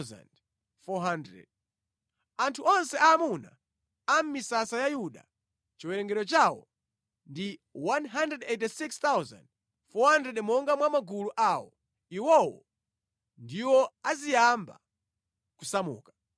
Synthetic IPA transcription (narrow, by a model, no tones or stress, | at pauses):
za̰nd | fɔɦandɾɛ̰d̚ | antʰuɔnsɛʔaːmuna | am̩misasajajuɗa̰ | t͡ʃiwɛɾɛŋɡɛɾɔt͡ʃawɔ̰ | ndiwanɦandɾɛdɛtisikst̪awza̰nd̚ | fɔhandɾɛɗmɔŋɡamwamaɡuluʔawɔ̰ | iwɔwɔ̰ | ndiwɔazijamba̰ | kusamṵːkḁ